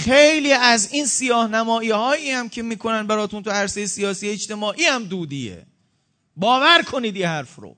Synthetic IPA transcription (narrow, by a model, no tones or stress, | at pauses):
χejliːæziːnsijɒːhnæmɒːiːhɒːjiːhæmcʰe̞miːkʰo̞nænbæɾɒːt̪ʰunt̪ʰuæɾsejesijɒːsiːeet͡ʃt̪e̞mɒːʔiːhæmd̪uːd̪iːjḛ | bɒːvæɾkʰo̞niːd̪ihæɾfɾo̰